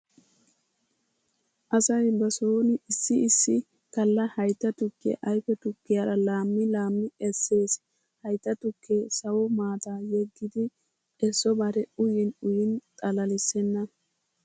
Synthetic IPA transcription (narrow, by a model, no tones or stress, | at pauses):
ʔɐsɐjbɐsoːnɪsːɪɪsːɪ | kɐlːɐhɐjt̪ːɐt̪ʊkːɪ̰ʔɐjfɛt̪ʊkːɪjaːɾɐlaːmːɪlaːmːɪɛsːe̞ːs | hɐjt̪ːɐt̪ʊkʰːeːsɐwɔmaːt̪aːjɛɡːɪd̪ɪ | ɛsːɔbɐɾɛʊjɪnʊjɪnt̪ʼɐlɐlɪsːɛnːɐ